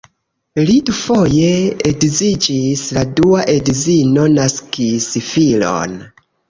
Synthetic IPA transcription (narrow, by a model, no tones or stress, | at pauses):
lidufo̞je̞eɡzid͡ʒisladuaʔedzino̞naskisfilo̰n